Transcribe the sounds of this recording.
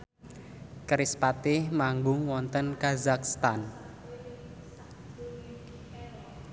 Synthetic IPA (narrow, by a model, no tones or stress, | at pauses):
kɾispat̪ɪhmaŋɡʊŋwɔnt̪ənkazakst̪an